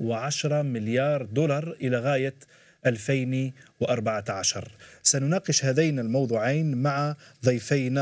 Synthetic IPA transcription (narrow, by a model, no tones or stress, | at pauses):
wɪʕaʃɾˤɑmɪljɑːɾˤd̪ʊlɑɾˤʔɪlaɣaːja | ʔalfajnwʔɑɾˤbaʕaʕaʃɑ̰ɾˤsanʊnɑːqɪʃhæd̪ajnalmɑwd̪ˤuːʕajnmaʕad̪ˤijfajna